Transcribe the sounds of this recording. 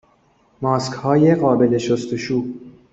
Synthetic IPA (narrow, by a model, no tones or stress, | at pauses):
mɒːskhɒːjeɣɒːbe̞le̞ʃost̪oʃuː